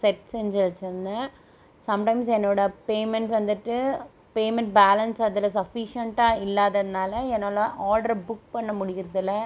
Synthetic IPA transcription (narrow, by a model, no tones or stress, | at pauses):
sɛʈsɛɲd͡ʒɐlt͡ʃːɐnd̪ɐ | sɐmʈɐɪmsɛnːoːɽɐpeːmɛɳʈʋɐnd̪ɯʈːɯ | peːmɛɳʈ̚baːlɐnsɐðɪlɐsɐfiʂɐɳʈaːɪlːaːðɐðɪnaːlɐɛnːaːlõʔaːɾɖɐɾbʊk̚pɐɳːɐmʊɽɪɣɪɾɐðɪlːɐ